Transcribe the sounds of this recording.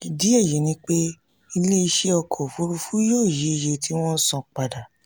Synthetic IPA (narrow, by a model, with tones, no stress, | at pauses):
ɡi˨di˦e˦˨je˨˦nĩ˦k͡pe˦ | i˧le˦i˧ʃe˦ɔ˧kʰɔ˨fu˨˦ɾu˧fu˦joː˦˨je˨˦i˧je˧tʰi˦w̃ɔ̃˦n̩˦sɔ̃˧k͡pa˨da˨